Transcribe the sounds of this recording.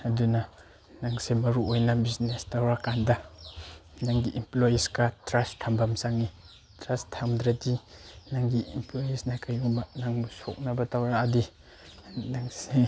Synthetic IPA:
ɐduna | naŋsemɐɾuojnabiznestawɾakandɐ | naŋɡiʔimplojiskatɾastʰambamsaŋi | tɾastʰːamdɾatinaŋɡiimplojisnakajbanaŋbuso̰k̚nɐbɐtawɾaːdi | naŋse

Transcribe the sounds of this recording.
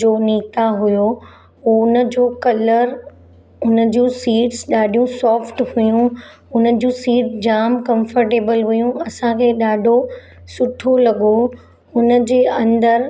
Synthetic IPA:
oːniːt̪aɦʊjo | nə̆d͡ʑoːkɐləɾ | ʊnə̆d͡ʑũːsiːʈsɗaːɖʱijũsɔːfʈhʊjũ | ʊnə̆d͡ʑũːsiːʈd͡ʑaːmkɐ̃mfəɾʈeːbəlɦʊjũɐsãkʰeːɗaːɖʱo | sʊʈʰolɐɠo | ʊnə̆d͡ʑeːɐ̃nd̪əɾ

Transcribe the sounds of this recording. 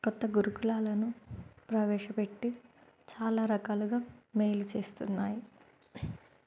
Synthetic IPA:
kɔt̪ːɐɡuɾukulaːlɐnupɾɐʋɛːʂɐpe̞ʈːi | t͡ʃaːlaːɾɐkaːluɡaːmeːjlut͡ʃe̞ːst̪unːaːji

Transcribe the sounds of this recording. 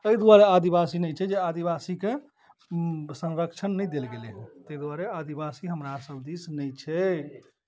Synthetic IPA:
əid̪waɾead̪ibasinɛjt͡ʃʰɛd͡ʒead̪iβasike | sə̃nɾəkt͡ʃʰənːɛjd̪elɡeleɦɛ̃t̪əid̪waɾead̪ibasiɦəmɾasəbd̪isnɛt͡ʃʰɛ

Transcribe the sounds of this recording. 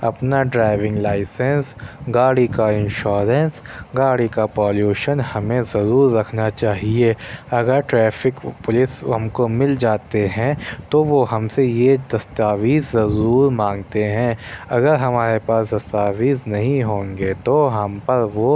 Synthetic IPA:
ɐpnaɖɾaːɪʋɪ̃ŋɡlaːɪsə̃nsɡaːɽikaɪ̃nʃɔːɾə̃ns | ɡaːɽikapɔːljuːʃənhɐmẽzɐɾuːɾːɐkʰnat͡ʃaːɦieɐɡəɾʈɾɛːfɪkpʊlɪsɦɐmkomɪld͡ʒaːt̪eɦɛ̃t̪oʋoɦɐmsejed̪ɐst̪aːʋiːzːɐɾuːɾmãːŋɡt̪eɦɛ̃ɐɡəɾɦɐmaːɾepaːsd̪ɐst̪aːʋiːznɐɦĩɦõːŋɡet̪oɦɐmpɐɾʋo

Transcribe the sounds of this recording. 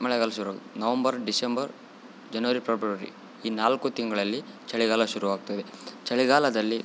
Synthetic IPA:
mɐɭɛɡaːlɐʃuɾuʋaːɡt̪nɐʋɐmbɐɾɖisembɐɾ | d͡ʒɐnɐʋɐɾipɾɐpɐɾḭ | iːnaːlkut̪iŋɡɐɭɐlːi | t͡ʃɐɭiɡaːlɐʃuɾuʋaːɡ̚t̪ɐd̪et͡ʃɐɭiɡaːlɐd̪ɐlːi

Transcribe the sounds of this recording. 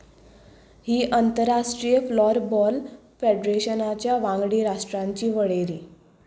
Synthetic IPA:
hiːʔənt̪əɾːaʂʈɾijəflɔɾbɔl | feɖɾeɕənat͡ɕjaʋãŋɡɽiːɾaʂʈɾãɲt͡ɕiːʋəɭeɾiː

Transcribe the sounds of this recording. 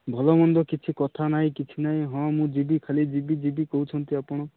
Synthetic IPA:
bʱɔlɔmɔnd̪ɔkit͡ʃʰikɔt̪ʰanaj̃kit͡ʃʰinaĩɦɔ̃mũd͡ʒibikʰalid͡ʒibid͡ʒibikɔɦut͡ʃʰɔnt̪iapɔɽ̃ɔ

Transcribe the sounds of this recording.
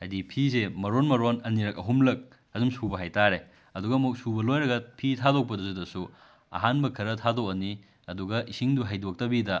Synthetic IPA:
hajdipʰisemɐɾonmɐɾonɐniɾɐk̚ɐɦumlɐk̚ | ɐzumsubɐɦajtaɾe | ɐduɡɐmuk̚subɐlojɾɐɡɐpʰitʰadok̚pɐdɐs̬udɐsu | ɐ̰ɦanbɐkʰɐɾɐtʰadok̚ɐni | ɐduɡɐʔisiŋduɦajdok̚tɐbidɐ

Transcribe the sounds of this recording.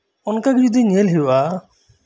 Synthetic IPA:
ɔnkakid͡ʒud̪ʱiɲelɦiwa

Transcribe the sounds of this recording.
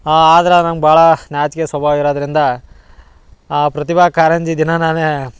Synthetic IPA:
aːd̪ɐɾɐnɐmɡbʱaːɭɐnjaːt͡ʃkeswɐbʱaːʋiɾaːd̪ɐɾind̪ɐ | pɾɐt̪ibʱaːkaːɾɐɲd͡ʒid̪inɐnaːne

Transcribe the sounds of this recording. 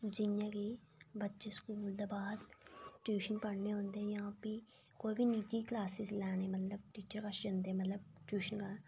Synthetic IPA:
d͡ʒɪnjãːke | bətːʃeskuːld̪eːbaːd̪ʈjuːʃənpəɽneːɦõːnd̪ejaːpi | koːibiniːt͡ʃ̪iːklaːsɪzlɛːɽ̃eːmət̪ləb̚ʈiːt͡ʃəɾkəʃd͡ʒə̃nd̪emət̪ləbʈjuːʃənka

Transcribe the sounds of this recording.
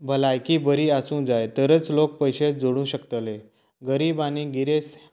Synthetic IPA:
bʱəlajkiːbəɾiːasũːd͡zajt̪əɾət͡slok̚pəjɕed͡zoɽ̃ũːɕəkt̪əle | ɡəɾiːbaniɡiɾes

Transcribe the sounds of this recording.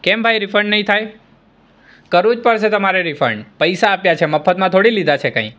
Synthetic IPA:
kɛmbʱajɾifʰəɾɳnəɦĩt̪ʰaj | kəɾũd͡ʒpəɾset̪əmaɾeɾifʰə̰ɾɳɖpəjsaːpjat͡ʃʰeməfʰət̪mãt̪ʰoɽilid̪at͡ʃʰekə̰̃ĩ

